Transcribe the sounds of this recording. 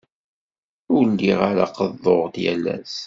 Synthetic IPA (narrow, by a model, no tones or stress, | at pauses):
ʊɾnd̪iʁaɾaqəðˤːoʁt̪jælːæ̰s